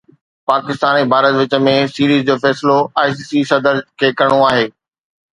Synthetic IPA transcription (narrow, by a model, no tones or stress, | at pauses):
paːkɪst̪aːnibʱaːɾət̪ʋɪt͡ɕə̆mẽsiːɾiːzd͡ʑoːfɛːsloaːɪsiːsisɐd̪əɾkʰeːkɐɽ̃oaːɦeː